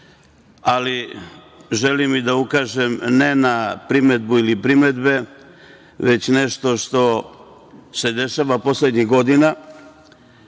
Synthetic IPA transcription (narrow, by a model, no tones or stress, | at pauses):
ali | ʒelimːid̪aukaːʒemne̞napɾime̞d̪builipɾime̞d̪be̞ | ʋe̞t͡ɕne̞ʃt̪o̞ʃt̪o̞ | se̞d̪e̞ʃaʋapo̞sled̪ɲiɣɡo̞d̪ina